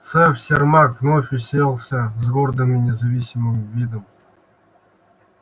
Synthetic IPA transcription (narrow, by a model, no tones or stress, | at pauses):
t̪sɛfsʲermakvnofʲʊsʲelˠsʲəzɡord̪əminʲɪzɐvʲisʲɪmɨmvʲid̪əm